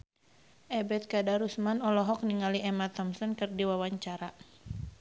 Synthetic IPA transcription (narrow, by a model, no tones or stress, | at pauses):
ʔɛbɛt̪̚kadaɾusmanɔlɔɦɔk̚niŋaliɛmat̪ɔmsɔnkɨrdiwawaɲt͡ʃaɾa